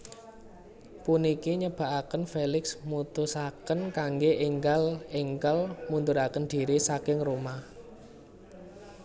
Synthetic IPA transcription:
punikiɲəb̥a̤ʔakənfelɪksmut̪usakənkaŋɡeʔeŋɡaleŋkəlmund̪ʊɾakənd̪̥i̤ɾisakɪŋromah

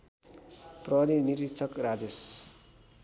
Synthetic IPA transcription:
prʌɦɾiniɾit̪t͡sʰʌkrad͡zes

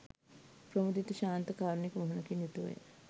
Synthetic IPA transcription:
pɾəmud̪it̪uʃaːnt̪əkaːɾnikmoɦunɐkinjut̪uʋḛ

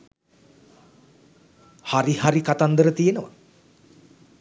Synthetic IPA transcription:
haɾihaɾikat̪and̪əɾət̪ijenəʋa̰

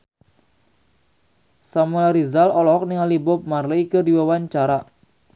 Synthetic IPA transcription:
samulaɾizalɔlɔk̚niŋalibʊp̚marləikərdiwawaɲt͡ʃaɾa

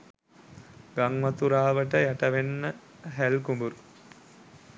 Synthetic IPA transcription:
ɡaŋmat̪uɾaːʋəʈəjæʈəʋenːə | ɦælkumbuɾu

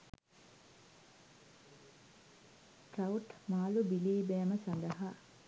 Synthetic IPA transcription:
ʈrɐwuʈmaːlubiliːbɛːməsand̪ɐɦa

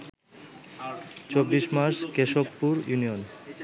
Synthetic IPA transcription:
t͡ɕobːiʃmaɾʃkeʃopːuɾjunijon

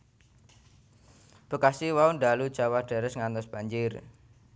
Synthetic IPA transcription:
b̥o̤kasiwauɳɖalud̥d͡ʒ̥awaɖ̥ɛ̤ɾɛsŋant̪ɔsb̥aɲd͡ʒɪr

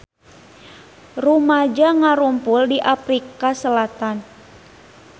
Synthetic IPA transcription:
rumad͡ʒaŋaɾumpuldiʔafɾikasəlat̪an

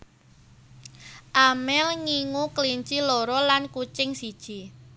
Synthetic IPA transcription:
ʔamɛlŋiŋuklint͡ʃilɔɾɔlankut͡ʃɪŋsid̥ʒ̥i̤

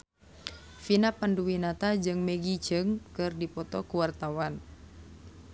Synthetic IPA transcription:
finapanduwinat̪ad͡ʒɨŋmɛɡit͡ʃəŋkɨrdipɔt̪ɔkuwart̪awan

